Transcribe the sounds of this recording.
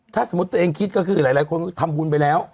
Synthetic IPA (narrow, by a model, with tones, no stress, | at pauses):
t̪ʰaː˧˥˩sa˨˦mu˦˥t̪ːʔeː˧ŋkʰi˦˥t̪̚kɔː˥˩kʰɯː˧laː˨˦jlaː˨˦jkʰo˧nkːt̪ʰa˧mbuː˧npa˧jlɛː˦˥w